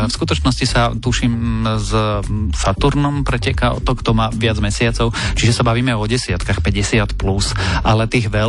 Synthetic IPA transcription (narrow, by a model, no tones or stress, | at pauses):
fskut̪ɔt͡ʃnɔscisat̪uʃiːmzsat̪uɾnɔmpɾɛcɛkaɔ̰t̪ɔkt̪ɔmaːʋɪad͡zmɛsɪat͡sɔʊt͡ʃiʒɛsabaʋiːmɛɔɟɛsɪat̪kaxpɛɟɛsɪat̪plusʔalɛt̪iːɣʋɛ